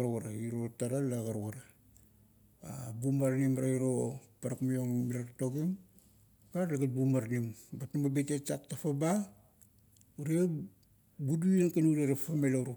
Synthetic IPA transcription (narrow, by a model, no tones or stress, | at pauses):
aɾɣaɾaiɾotaɾalːaɡaɾoɣaɾa | a̰bumaɾnimaɾaiɾopaɾakmijoŋmiɾakatoɡim | paɾalaɡat̚bumaɾnimbatnumabetet͡ʃak̚tafaba | uɾia | buduankanudaɾafamelaɾu